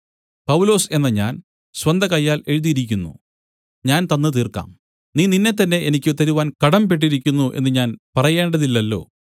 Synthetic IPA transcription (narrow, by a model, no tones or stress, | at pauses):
pɐwlo̞ːse̞nːɐɲaːn | swɐnd̪ʱɐkɐjːaːle̞ɻuðijiɾikʲːunːṵ | ɲaːnt̪ɐnːɨt̪iːrka̰ːm | niːninːe̞t̪̬ːɐnːe̞ʔenikʲːt̪ːɐɾuʋaːnkɐɽɐmpe̞ʈ̬ːiɾikʲːunːuʔe̞̰nːɨɲaːnpɐrɐje̞ːɳɖɐðilːɐlːo̞̰ː